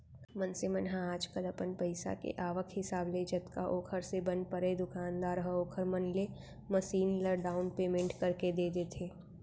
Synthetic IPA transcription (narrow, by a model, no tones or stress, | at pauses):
mənsemənɦãaːd͡ʒkəlɐpənpɐɪsa̰kḛʔaːʋəkʰɦɪsaːbled͡ʒɐt̪ka̰ʔoːkʰəɾsebɐnpəɾed̪ʊkaːnd̪aːɾɦəoːkʰəɾmənle | məʃiːnləɾɖaːʊnpeːmẽɳʈkɐɾked̪eːd̪eːt̪ʰeː